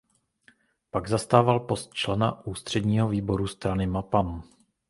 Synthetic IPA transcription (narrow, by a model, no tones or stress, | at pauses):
paɡzast̪aːvalpo̞st̪̚t͡ʃlɛna̰ʔuːst̪r̝̥ɛdɲiːɦo̞viːbo̞ɾust̪ɾanɪmapam